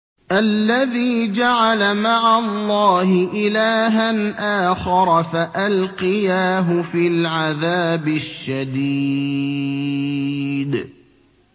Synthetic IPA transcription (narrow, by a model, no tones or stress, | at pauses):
ʔalːaðiːd͡ʒaʕalamaʕallˤːɑːhɪʔɪlaːɦanʔaːxɑɾˤfaʔalqɪjaːɦʊfiːlʕaðaːbɪʃːad̪iː | d̪